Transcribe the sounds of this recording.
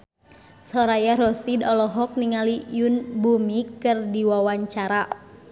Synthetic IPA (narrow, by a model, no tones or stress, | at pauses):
sɔɾajaɾɔsidɔlɔɦɔk̚niŋalijunbumikɨrdiwawaɲt͡ʃaɾa